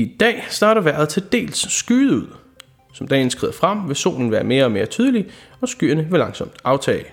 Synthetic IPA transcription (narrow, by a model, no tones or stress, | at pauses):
id̥ɛ̰ːsd̥ɑ̈ːɾɐʋæɐð̩ˠt͡sʰe̝d̥e̝̰ːlsːɡ̥yːðˠuð̰ˠ | sɒ̽md̥ɛ̰ːnsɡ̥ʁḭð̰ˠɐfʁɑm̰ʋe̝so̝̰ːln̩ʋæːɐme̝ːɐɒ̽me̝ːɐt͡sʰyːð̞ˠli | ɒ̽sɡ̥y̰ːɐnəʋe̝lɑ̈ŋsɒ̽md̥ɑ̈ʊt͡sʰɛ̰ːɪ